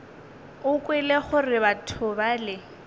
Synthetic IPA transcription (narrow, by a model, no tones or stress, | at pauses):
ʊkʼwɪleχʊrɪβatʰʊbalɪ